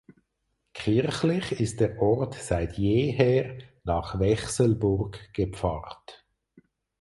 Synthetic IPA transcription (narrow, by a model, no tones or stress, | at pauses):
kʰɪʁχlɪχɪst̚d̥ɛːʁʔɔʁtsaɪtʰjeːɦɛːʁnɑːχvɛχsəlbʊʁɡɡ̥əpp͡fɑːʁt